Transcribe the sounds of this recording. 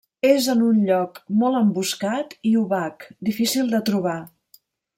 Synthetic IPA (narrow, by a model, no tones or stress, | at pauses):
ezənunʎɔkmɔlˠəmbuskat̪iuβakd̪ifisilˠd̪ət̪ɾuβ̞a